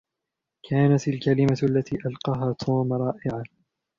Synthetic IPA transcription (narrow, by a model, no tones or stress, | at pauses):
kʰaːnat̪alkalɪmaalːat̪iːʔalqɑːɦaːt̪ʰuːmɾˤɑːʔɪʕa